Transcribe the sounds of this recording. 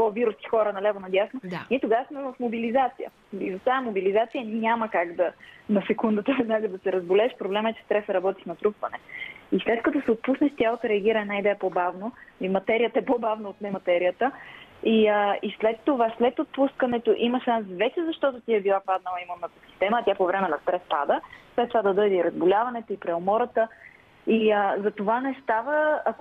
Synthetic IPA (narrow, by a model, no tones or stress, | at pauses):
ɡoviɾʊsk̪i̥xɔɾənɐlɛvonɐd̪jasnoniɛt̪oɡasmɛvɐfmobilizat̪sijə̰ | izot̪amobilizat̪sijəɲʲaməkaɡd̪ɐnɐsɛkund̪ət̪əvɛd̪naɡəd̪ɐsɛɾɐzbolɛːʃpɾoblɛməɛt͡ʃɛ̥st̪ɾɛsəɾɐbɔt̪i̥fnɐt̪ɾupvɐnɛislɛt̪kət̪osɛot̪̚pusnɛʃt̪jalˠot̪əɾɛɐɡʲiɾəɛnaid̪ɛjəpobavnoimɐt̪ɛɾijət̪əɛpobavnɐot̪nɛmɐt̪ɛɾijət̪ə | iəislɛt̪ːovaslɛt̪ot̪̚puskɐnɛt̪oʔimɐʃansvɛt͡ʃɛzɐʃt̪ɔt̪ot̪iɛbilˠapad̪nəlˠimɐmnɐt̪ɐsi̥st̪ɛmɐːt̪japovɾɛmɛnɐst̪ɾɛspa̰d̪əslɛt̪t̪ːovad̪ɐd̪ɤjd̪ɛiɾɐzbolʲavɐnɛt̪oipɾɛomɔɾət̪ə | iəzɐt̪ovanɛst̪avəːk